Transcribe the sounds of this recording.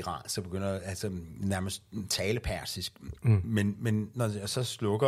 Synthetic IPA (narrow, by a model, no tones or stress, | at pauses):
ʁɑ̰̈ːsɒ̽b̥e̝ɡ̥øn̰ɐælsɒnæɐməsd̥̚t͡sʰɛːləpʰæɐsisɡ̥menmenːɒsɒ̽slɔ̽ɡ̥ɐ